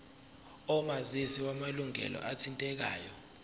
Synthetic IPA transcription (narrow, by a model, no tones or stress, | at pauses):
ɔmazisiwamaluŋɛ̰lʔɔ̰ʔatʰintʼɛk̬a̰ːjɔ